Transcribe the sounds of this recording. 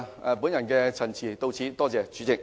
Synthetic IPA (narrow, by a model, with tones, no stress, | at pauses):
pu˨˥njɐ˨˩nkɛː˧t͡sʰɐ˨˩nt͡sʰiː˨˩t̪o˧wt͡sʰiː˨˥t̪ɔː˥t͡sɛː˨˧t͡ʃyː˨˧˥t͡sɪ˨˩k̚